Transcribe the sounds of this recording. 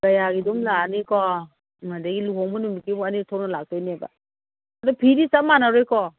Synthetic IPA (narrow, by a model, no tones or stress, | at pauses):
ɡ̥ajaɡidumlanikɔ | madaɡiluɦɔŋmɔnumikimanitʰɔnalak̚tajneba̰ | adɔpʰiɾisamanaɾɔjkɔ